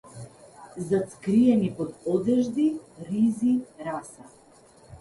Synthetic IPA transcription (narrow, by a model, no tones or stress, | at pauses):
zat̪skɾiɛnipɔd̪ɔd̪ɛʒd̪iɾiziɾasa